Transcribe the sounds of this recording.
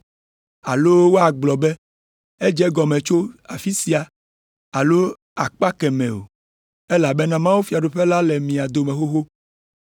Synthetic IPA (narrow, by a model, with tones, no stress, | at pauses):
a˨lo˦wo˦a˨ɡ͡blɔ˨bɛ˦ | e˦d͡ʒɛ˦ɡɔ˨mɛ̃˨t͡ʃo˦a˨fi˦si˨a˨ | a˨lo˦ | a˨k͡pa˦kɛ˨mɛ̰̃˨o̰˨ | ɛ˦la˨bɛ˦nã˦mã˦wu˦fi˨a˨ɖo˨ɸɛ˦la˦lɛ˨mĩ˨a˨d̪o˨mɛ̃˨xo˦xo˦